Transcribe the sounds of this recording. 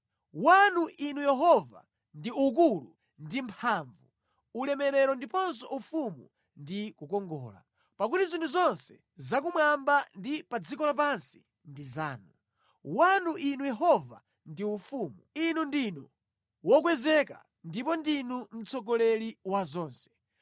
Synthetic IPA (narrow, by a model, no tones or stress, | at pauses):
wanuʔinujɛɦɔva̰ | ndiuk̬ulṵ | ndimpʰaːɱvu | ulɛmɛɾɛɾɔndipɔns̬ɔʔufumṵ | ndikukɔŋɡɔ̰ːla̰ | pak̬utizintʰuzɔnsɛ̥ | zak̬umwambandipad͡zikɔlap̬ansi̥ | ndizaːnu | wanuʔinujɛɦɔva̰ | ndiufuːmuinundinu | wɔkwɛzɛka̰ | ndipɔndinum̩t͡sɔɡɔlɛɾiwazɔːnsɛ̥